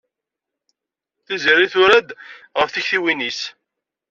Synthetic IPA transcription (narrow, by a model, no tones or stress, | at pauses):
θiziɾiθʊɾæd̪ʁəfθiçθiwinis